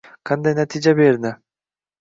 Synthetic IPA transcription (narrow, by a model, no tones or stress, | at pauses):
qʰɑnd̪ajnat̪id͡ʒabeɾnɪ